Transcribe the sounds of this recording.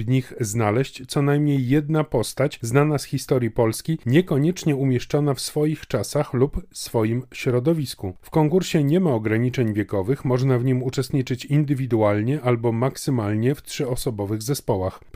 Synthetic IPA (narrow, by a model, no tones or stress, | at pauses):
vɲixznalɛɕt͡ɕt̪sɔnajmɲejːɛd̪̚napɔst̪at͡ɕznanasxʲist̪ɔɾʲjipɔlskʲiɲɛkɔɲɛt͡ʂɲɛumʲjɛʂt͡ʂɔnafsfɔjixt͡ʂasaxlupsfɔjimɕɾɔd̪ɔvʲiskufkɔŋkuɾɕɛɲɛmaɔɡɾaɲit͡ʂɛɲvʲjɛkɔvɘxmɔʐnavɲimut͡ʂɛst̪ɲit͡ʂɘt͡ɕind̪ɘvʲid̪ualɲɛʔalbɔmaksɘmalɲɛft̪ʂɘɔsɔbɔvɘɣzɛspɔwax